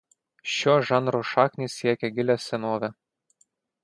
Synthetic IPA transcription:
ʃʲoːʒɑnɾoʃɑːknʲiːsʲiɛkʲɛɡʲɪlʲɛsʲɛnoːʋʲɛ

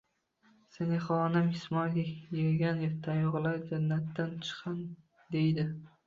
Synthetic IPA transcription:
senɪχɒːnɪmhɪsmɒjɡʲajeɾɡʲanjet̪ʰajɒʁlˠaɾd͡ʒanːat̪ːant͡ʃʰɨ̥qʰːɑn | d̪ejd̪ɪ

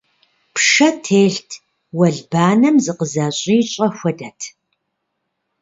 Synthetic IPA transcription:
pʂɐtʰeːɬtʰ | wɐɮbaːnɐmzɨqəzaːɕʼiːt͡ʃʼɐxʷɐdɐtʰ

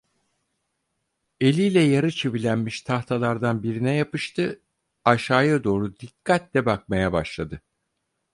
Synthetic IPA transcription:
e̞lʲijlʲɛjaɾɯt͡ʃʰeβilʲænmiʃt̪ʰaxt̪ʰalˠaɾd̪anbiɾinɛjapɯʃt̪ʰɯ | aʃaːjad̪o̞ːɾud̪ikʰːat̪lʲɛbak̚majabaʃlˠad̪ɯ

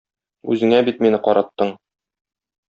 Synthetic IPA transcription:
ʉ̰zɘ̆ŋæbit̪minɘqɒɾɑt̪ːɤɴ

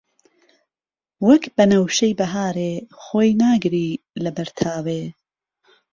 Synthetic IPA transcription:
wɐkbɐnɐwʃɐjbɐɦaːɾeːxoːjnaːɡɾiː | lɐbɐɾt̪ʰaːwe

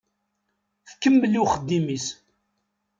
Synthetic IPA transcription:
θkːəmːəlːiwχəd̪ːimis

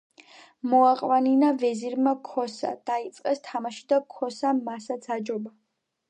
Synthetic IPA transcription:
mɔaqʼwaninavɛziɾmakʰɔsa̰d̪̥ait̪sʼqʼɛst̪ʰamaʃid̪akʰɔsamasat̪sʰad͡ʒɔba

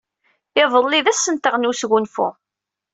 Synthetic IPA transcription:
ɪðˤəlˤːiðæsːənt̪əʁnusʝʊnfṵ

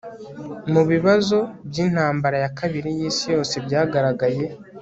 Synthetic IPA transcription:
muβiβazo̞bɟiːn̥haːmbaɾajakʰaβiɾijiːsijo̞ːse̞bɟaːɡaɾaɡaje̞

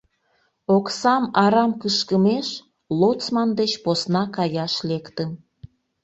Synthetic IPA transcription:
oksɑmɑɾɑmkəʃkəmeʃ | lot͡smɑnd̪et͡ɕposnɑkɑjɑʃlekt̪əm

